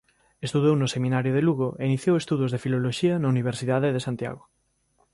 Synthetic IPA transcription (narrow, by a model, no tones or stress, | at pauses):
est̪uðownosemĩnaɾjoðeluɣoʔeiniθjowest̪uðozðefiloloʃiɐnauniβ̞eɾsiðaðeðesant̪ja̰ɣ̞o